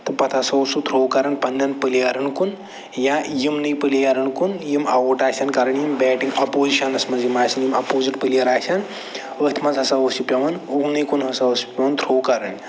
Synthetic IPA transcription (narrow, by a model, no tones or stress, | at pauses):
t̪ɐpɐt̪ʰasɐwsut̪ʰɾoːwkaɾɐɳpɐnːɐnpəlijaɾɐɳkun | jãjimnɨjpəlijaɾɐɳkunjimɐwoʈaːsʲankaɾɐɳjimbɛːʈiŋɡɐpoːziʃɐnɐsmɐzjimaːsɐnjimɐpoːziʈpəlijɐɾaːsʲan | ət̪ʰmɐzɦɐsaosipʲjɐʋɐnuwnɐjkunɦɐsaosi̥pʲɐʋɐnt̪ʰɾowkaɾɐɳ